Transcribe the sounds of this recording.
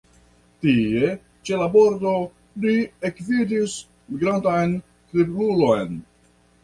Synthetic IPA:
tie̞ | t͡ʃe̞labo̞ɾdo̞ | liekvidis | miɡɾantajn | tɾiblulo̞jn

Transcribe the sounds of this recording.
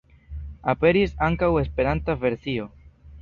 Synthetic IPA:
ape̞ɾisaŋkawe̞spe̞ɾant̪ave̞ɾsio̞

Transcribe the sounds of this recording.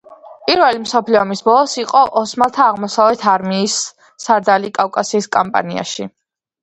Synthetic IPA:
pʼiɾvɛlimsɔpʰliɔmisbɔlˠɔsiqʼɔʔɔsmat̪ʰaːʁmɔsavlɛt̪ʰaɾmiːsː | aɾd̪alikʼafkʼasiːskʼampʼa̰nia̰ʃi

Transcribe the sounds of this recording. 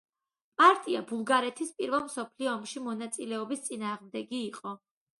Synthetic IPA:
pʼaɾt̪ʼiabulˠɡaɾɛt̪ʰispʼiɾvɛlˠmsɔpʰliɔːmʃimɔnat̪sʼilɛɔbist̪sʼinaːʁmd̪ɛɡiːqʼɔ

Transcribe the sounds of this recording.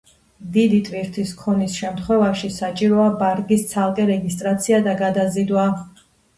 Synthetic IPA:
d̪id̪it̪ʼviɾt̪ʰiskʰɔnisʃɛmt̪ʰχwɛvaʃisat͡ʃʼiɾɔabaɾɡist̪sʰalˠqʼɛɾɛɡist̪ʼɾat̪sʰiad̪aɡad̪azid̪wa

